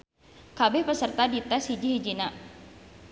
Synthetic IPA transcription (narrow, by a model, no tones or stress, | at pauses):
kabɪhpəsərt̪adit̪ɛshid͡ʒiɦid͡ʒina